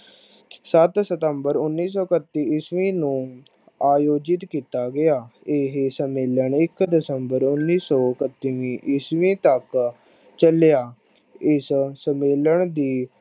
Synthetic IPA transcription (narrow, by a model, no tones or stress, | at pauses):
sət̪sət̪əmbəɾʊnːiːsɔːkət̪ːiːɪsʋĩːnũː | aːjoːd͡ʒɪt̪kiːt̪aːɡɪjaːɪɦsəmeːləɳɪkd̪ɪsəmbəɾʊnːiːsɔːkət̪ːiʋĩːʔɪsʋĩːt̪ək | t͡ʃəljaː | ɪssəmeːləɳd̪iː